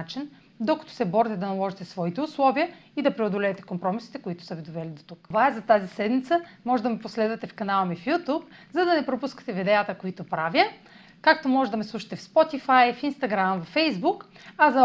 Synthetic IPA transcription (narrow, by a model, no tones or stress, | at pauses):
at͡ʃin | d̪okɐ̥t̪o̥sɛbɔɾit̪ɛd̪ɐnɐlˠɔʒit̪ɛsvɔit̪ɛʊslˠɔviəid̪ɐpɾɛod̪olɛːt̪ɛ̥kompɾɔmisit̪ɛkoʊit̪ʊ̥sɐvid̪ovɛlid̪ot̪ukvaɛzɐt̪azisɛd̪mit̪səmɔʒɛd̪ɐmiposlɛd̪ɐt̪ɛfkɐnalˠɐmifjut̪upzɐd̪ɐnɛpɾopuskə̥t̪ɛvid̪ɛat̪əkoit̪opɾavjə | kakt̪omɔʒɛd̪ɐmɛslˠuʃɐ̥t̪ɛfspɔt̪ifajfinst̪ɐɡɾamvɐfɛjzbukɐzɐ